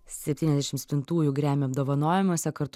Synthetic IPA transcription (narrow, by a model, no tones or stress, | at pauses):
sʲɛpʲt̪ʲiːnɛzd̪ʲæʃʲɪmsʲpʲɪnt̪uːjʊɡɾʲæːmʲoːɐbd̪oːʋɐnoːjɛmuɔsʲɛkɐɾt̪